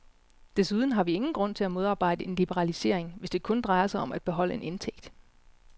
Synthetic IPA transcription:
d̥e̝suð̞ˠn̩ɦɑ̈ʋie̝ŋn̩ɡ̥ʁɔ̽n̰t͡sʰe̝æmo̝ð̞ˠɑ̈ːb̥ɑ̈ɪ̰d̥əʔe̝nlib̥əʁɑ̈lise̝ɐ̰e̝ŋʋe̝sd̥e̝kʰɔ̽nd̥ʁɑ̈ɪɐsɑ̈ɪɒ̽mæd̥̚b̥e̝ɦɒ̽l̰əe̝nʔe̝nt͡sʰeɡ̥d̥

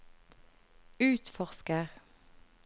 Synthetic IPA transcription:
ʉːt̪fɔʁskəʁ

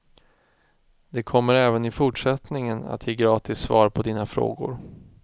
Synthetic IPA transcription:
d̪̥ɛkʰɔmːəɾɛːvənɪfʊʈʂɛt̪nɪŋəna̰t̪ʰjeːɡɾɑːt̪ʰɪsːvɑ̰ːɾpʰɔd̪iːnafɾo̰ːɡʊ̰ɾ

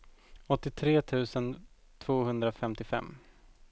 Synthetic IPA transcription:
ɔt̪ːɪt̪ʰɾeːt̪ʰʉ̟ːsən | t̪ʰv̥oːhɵnd̪ɾafɛmt̪ɪfɛ̰mː

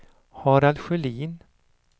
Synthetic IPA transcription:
hɑːɾalɧʏliːn

